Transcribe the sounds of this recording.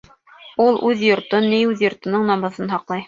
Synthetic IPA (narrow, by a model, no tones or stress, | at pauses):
ulˠʔʉðjŏɾt̪ɤnːijʉðjŏɾt̪ɤ̆nɤɴnɑmɤ̆ðɤnɦɑqlˠɑj